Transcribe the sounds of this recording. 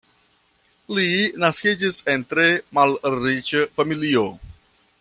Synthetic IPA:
linaskid͡ʒise̞ntɾe̞malɾit͡ʃəfamilio

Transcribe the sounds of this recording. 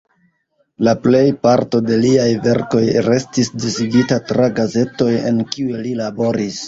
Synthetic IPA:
laple̞jpaɾto̞de̞liajve̞ɾko̞jɾe̞stisdisiɡitatɾaɡaze̞to̞je̞̰nkiuelilabo̞ɾis

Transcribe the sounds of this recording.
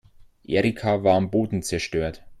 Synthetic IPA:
ʔḛːʁikʰavaːɐamboːdn̩t͡sɛɐʃtøːɐt

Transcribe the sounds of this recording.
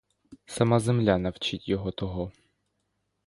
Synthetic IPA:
sɐmazemlʲanɐwt͡ʃitʲjɔɦɔt̪ɔɦɔ

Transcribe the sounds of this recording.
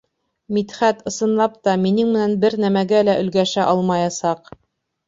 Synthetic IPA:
mit̪χæt̪ɤ̆sɤ̆nlˠɑp̚t̪ɑminɘŋmɘ̆nænbɘɾnæmæɡælæʔɵ̆lɡæʃæʔɑlˠmɑjɑsɑq

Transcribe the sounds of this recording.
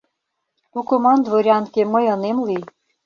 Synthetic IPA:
t̪ukomɑnd̪voɾʲɑnkemɤjɤ̆nemlij

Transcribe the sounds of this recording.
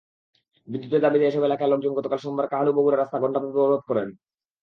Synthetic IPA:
bid̪ːut̪eɾd̪abid̪ɛeeʃɔbeelakaeloɡd͡ʑonɡɔt̪okalʃombaɾkaɦaluboɡuɾeɾast̪aɡɔɳʈapopoɾod̪̚kɔɾen

